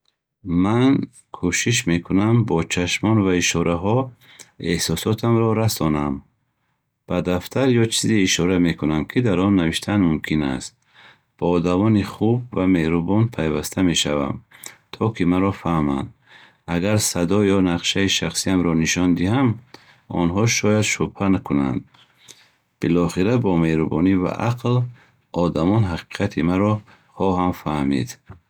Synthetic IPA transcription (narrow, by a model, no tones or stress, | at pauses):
man | kʰuʃiʃ̬me̞kʰunambɔt͡ʃʰaʃmɔnvaiʃɔɾʔaɦɔ | ehsɔsɔt̪ʰamɾɔɾasɔnam | b̥ad̪aft̪ʰaɾjɔt͡ʃʰiziːʃɔɾame̞kʰunamkʰid̪aɾɔnːaviʃt̪ʰanmumkʰina̰st̪̚ | b̥ɔːd̪amɔniχubvame̞hɾubɔnpʰajvast̪ʰame̞ʃa̰va̰mt̪ʰɔkʰimaɾɔfahma̰nd̪ | aɡaɾsad̪ɔjɔnaqʃaiʃaχsiamɾɔniʃɔnd̪iham | ɔ̰nɦɔʃɔjad̪ʃubhankʰuna̰nd̪ | b̥ilɔχiɾabɔme̞hɾubɔ̰niva̰ʔaql | ɔd̪amɔnɦaqi̥qʰat̪ʰimaɾɔ | χɔɦamfahmḭd̪